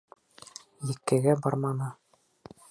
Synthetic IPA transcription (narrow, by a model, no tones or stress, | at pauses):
jɘ̆kːɘ̆ɡæbɑɾmɑnɤ